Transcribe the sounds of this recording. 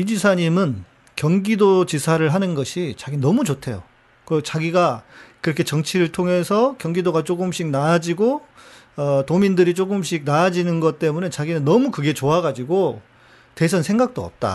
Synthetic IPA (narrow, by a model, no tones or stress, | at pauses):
id͡ʑisʰaɲimɯn | kjʌŋɡidot͡ɕisʰaɾɯɭɦanɯnɡʌɕʰit͡ɕaɡinʌmut͡ɕotʰe̞jo̰ | kɯʌt͡ɕaɡiɡakɯɾʌkʰe̞t͡ɕʌŋt͡ɕʰiɾɯɭtʰoŋɦe̞sʰʌkjʌŋɡidoɡat͡ɕ͈oɡɯmɕ͈ik̚nad͡ʑiɡo | ʌtomindɯɾit͡ɕ͈oɡɯmɕ͈ik̚naːd͡ʑinɯnɡʌt̚t͈e̞mune̞t͡ɕaɡinɯnːʌmukɯɡe̞t͡ɕoaɡad͡ʑiɡo | te̞s̬ʰʌnsʰe̞ŋɡak̚t͈oʌ̰p̚t͈a̰